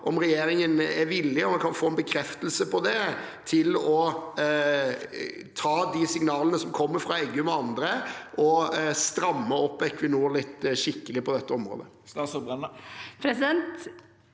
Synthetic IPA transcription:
ʔɔmɾɛjeːɾɪŋənɛɾʋɪlːɪɔmɑnkʰɑnfoːɛnbəkʰɾɛft̪əlsəpɔd̪ɛt̪ʰɪlɔ | t̪ʰɑːd̪isɪŋnɑːlənəsɔmkʰɔmːəɾfɾɑɛːɡʉmɔɑnd̪ɾəʔɔst̪ɾɑmːəɔpːɛkʋɪnuːɾlɪt̪ːʃɪkːəlɪpʰɔd̪ɛt̪ːəɔmɾo̰ːd̪ə | st̪ɑːsɔbɛnpʰɾɛsɪd̪ɛnt̪

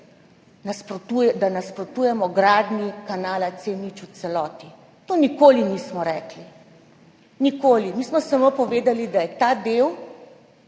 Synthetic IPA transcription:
naspɾɔt̪ujɛd̪anaspɾɔt̪uːjɛmɔɡɾaːd̪nikanaːlat̪seːnit͡ʃut̪sɛlɔːt̪i | t̪oːnikoːliniːsmɔɾɛːkli | nikoːlimiːsmɔsamopɔʋeːd̪alid̪ajɛt̪aːd̪ew

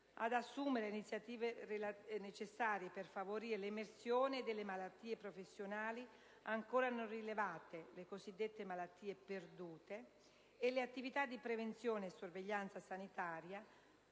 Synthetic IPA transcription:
a̰d̪asːuːmeɾeinit̪sjat̪iːveeanet͡ʃesːaːɾjeperfavoɾiːɾeleimersjoːned̪elːemalat̪ːiːepɾofesːjonaːli | aŋkoːɾanonrilevaːt̪elekosid̪ːet̪ːemalat̪ːiːeperd̪uːt̪eː | lːeat̪ːivit̪ad̪ːipɾevent̪sjoːneːsːorveʎːant̪sasanit̪aːɾja

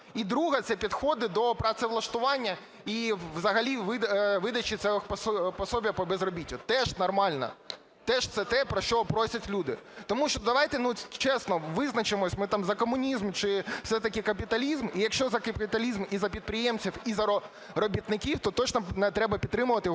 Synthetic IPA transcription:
id̪ɾuɦɐt̪sɛpʲid̪xɔd̪ɪd̪ɔpɾɐt̪sɛʋlˠɐʃt̪ʊʋɑnʲːɐ | iʋzɐɦɐlʲiʋɪʋɪd̪ɐt͡ʃit̪sɛɔxppɔsɔbʲjpɔbezrɔbʲitʲːʊt̪ɛʒnɐrmɑlʲnɐ̰ | t̪ɛʒt̪sɛt̪ɛpɾɔʃt͡ʃɔpɾɔsʲɐtʲlʲud̪ɪt̪ɔmuʃt͡ʃɔd̪ɐʋɑjt̪ɛnut͡ʃɛsnɔʋɪznɐt͡ʃɪmɔsʲmɪt̪ɑmzɐkɔmʊnʲizmt͡ʃɪw̥sɛt̪ɐkʲɪkɐp̬ʲit̪ɐlʲizmijɐkʃt͡ʃɔzɐkɐpʲit̪ɐlʲizmizɐpʲid̪̚pɾɪjɛmt͡sʲiwizɐɔ | rɔbʲit̪nɪkʲiwt̪ɔt̪ɔt͡ʃnɔnɛt̪ɾɛbɐpʲid̪ɾɪmʊʋɐt̪ɪj

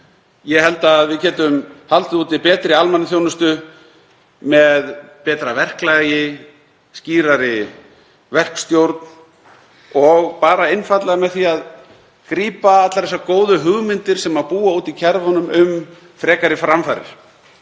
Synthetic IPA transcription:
jɛhɛlt̪aːðvɪðcɛːt̪ʏmhalt̪ɪðuːt̪ɪpɛːt̪ɾɪalmanɪθjownʏst̪ʏ | mɛðpɛːt̪ɾavɛr̥klajɪ | sciːɾaɾɪ | vɛr̥kst̪jowɾt̪n | ɔɣpaːɾaɪnfat̪laɣamɛðθiað | kɾiːpaat̪laɾðɛsːakoːwðʏɦʏɣmɪnt̪ɪɾ̥sɛmaðpuːauːt̪icʰɛɾðhɔnʏmʏm | fɾɛːkaɾɪfɾamfaɾɪ̰ɾ̥

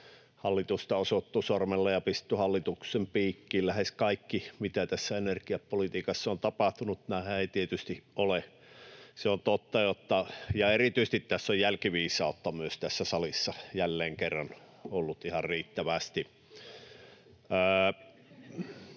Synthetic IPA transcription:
hɑlːit̪ust̪ɑosot̪ːusormelːɑjɑpist̪yhɑlːit̪uksempiːkːiːllæheskɑikːimit̪æt̪æsːæenerkiɑppolit̪iːkɑsːɑont̪ɑpɑht̪unut̪næhæeˑit̪iet̪yst̪iʔole | seont̪ot̪ːɑjot̪ːɑjɑerit̪yist̪it̪t̪æsːojjælkiʋiːsˑɑˑot̪ːɑmyøst̪æsːæsɑlisːɑjælːeːŋkerːɑn | olːut̪ihɑrriːt̪ːæʋæst̪i

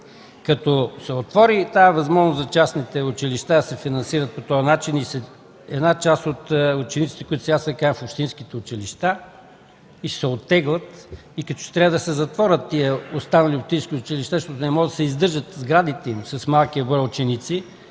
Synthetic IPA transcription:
kɐt̪ɔsɛot̪vɔɾit̪aɛvɐzmɔʒnoszɐt͡ʃasnit̪ɛʊt͡ʃiliʃt̪ad̪ɐsɛfinɐnsiɾət̪̚pot̪ɔjɐnat͡ʃinisɛ | ɛd̪nat͡ʃast̪ot̪ʊt͡ʃɛnit̪sit̪ɛkʊit̪ʊ̥sɛɡasɛkãfopʃt̪inskit̪ɛʊt͡ʃiliʃt̪a | isɛot̪ːɛɡlˠɐt̪ | ikɐt̪ɔ̥ʃt̪ɾʲavəd̪ɐsɛzɐt̪vɔɾət̪ːiəost̪anɐliopʃt̪ĩnskʲiʊt͡ʃiliʃt̪aʃt̪ɔt̪ʊnɛmɔʒd̪ɐsɛizd̪ɤɾʒət̪zɡɾad̪it̪ɛimsɐsmalˠkiəbɔjɛʊt͡ʃɛnit̪si

